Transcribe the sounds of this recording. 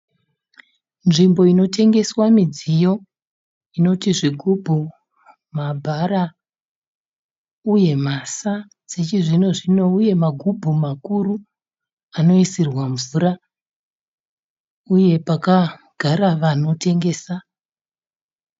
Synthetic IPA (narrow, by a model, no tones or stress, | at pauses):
nʐimbo̞ino̞te̞ŋɡe̞swamid͡zijo̞ | ino̞tiʐiɡʱubʱu | mabʱaɾa | uje̞masa | set͡ʃiʐino̞ʐino̞uje̞maɡʱubʱumakuɾu | ano̞isirwaɱvuːɾa | uje̞paka | ɡ̥ʱaɾaʋano̞tʰe̞ŋɡe̞ːsa